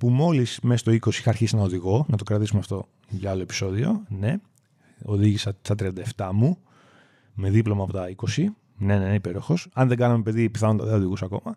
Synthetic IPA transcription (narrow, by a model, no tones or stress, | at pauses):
pumo̞lismesɐst̪oiko̞siixɐɾçisinɐoðiɣo̞nɐt̪o̞kɾɐt̪isumeɐft̪o̞ | ɐɐlo̞e̞pi̥so̞ðio̞ne̞ | o̞ðiʝisɐsɐt̪ɾiɐnd̪ɐeft̪ɐmu | me̞ðiplo̞mɐːpo̞t̪ɐiko̞si | ne̞neneipe̞ɾo̞xo̞sɐnðe̞ɡɐnɐme̞pe̞ðipiθɐnont̪ɐðeoðiɣusɐko̞mɐ